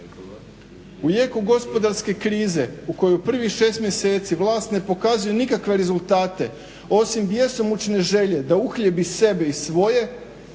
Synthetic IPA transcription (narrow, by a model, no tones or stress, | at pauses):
uje̞ːkuɡo̞spo̞d̪aɾske̞kɾiːze̞uko̞jupr̩ʋixʃe̞ːst̪mje̞se̞ːt̪siʋlˠaːst̪ne̞po̞kazujenikakʋe̞ɾe̞zulˠt̪aːt̪e̞ | o̞simd̪jesomut͡ʃne̞ʒe̞ʎe̞d̪auxʎebise̞be̞isʋo̞je̞